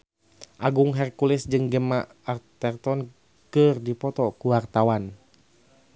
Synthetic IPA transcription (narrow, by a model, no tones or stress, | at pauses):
ʔaɡuŋɦɛrkulɪsd͡ʒɨŋɡəma | art̪ɛrt̪ɔn | kɨrdipɔt̪ɔkuwart̪awan